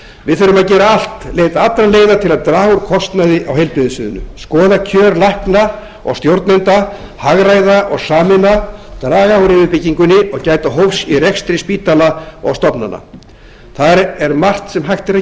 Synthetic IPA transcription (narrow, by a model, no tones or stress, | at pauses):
vɪðθfʏɾʏmaðcɛːɾaal̥t̪leːjt̪aat̪ːɾanleːjðat̪ʰɪlaðt̪ɾaːɣʏɾkʰɔst̪naðɪʔawɦɛjlpɪðɪsʏðʏnːʏ̰skɔːðacʰœːɾlahkna | ɔ̰ɣst̪jowɾt̪nʏnt̪a | haɣɾajðaʔɔɣsaːmɪnat̪ɾaːɣaɣɾɪvɪpɪcːiŋkʏnːɪɔɣcaːjt̪aɦowfsirɛkst̪ɾɪspiːt̪alaɔ̰ɣst̪ɔpnanːa̰ | θaɾɛɾmar̥t̪sɛmɦajht̪ɪɾa